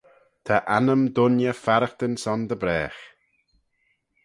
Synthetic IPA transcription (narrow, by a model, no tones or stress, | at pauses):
t̪ʰaʔanəmd̪ʊnjəfaɾəxt̪ənsɔnd̪əbɾɛːx